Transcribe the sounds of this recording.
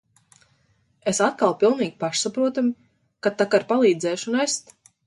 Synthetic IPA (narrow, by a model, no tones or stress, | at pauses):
esat̪̚kalˠpilˠniːɡʲpaʃsapɾuɔt̪am | kat̪akaɾpalˠiːd̪zɛːʃunest̪